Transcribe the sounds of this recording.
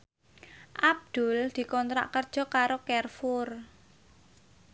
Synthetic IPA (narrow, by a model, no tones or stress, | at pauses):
ʔab̚d̪̥ʊ̤ld̪̥i̤kɔnt̪ɾa̰ʔkərd̥ʒ̥ɔ̤kaɾokɛrfʊr